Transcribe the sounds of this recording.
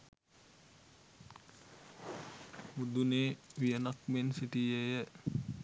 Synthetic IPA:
mud̪uneːʋijənak̚mensiʈijəjə

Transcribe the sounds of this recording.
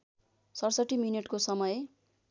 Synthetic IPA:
sʌrsʌʈːimineʈkosʌmʌj

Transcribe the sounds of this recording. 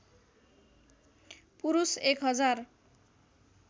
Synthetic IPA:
puɾusekɦʌd͡zar

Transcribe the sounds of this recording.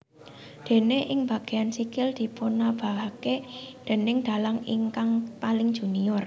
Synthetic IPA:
d̪̥e̤neʔɪŋb̥ä̤ɡ̥e̤jansikɪld̪̥i̤ponab̥a̤ɦaked̪̥e̤nɪŋd̪̥a̤laŋiŋkaŋpalɪŋd̥ʒ̥ṳniɔr

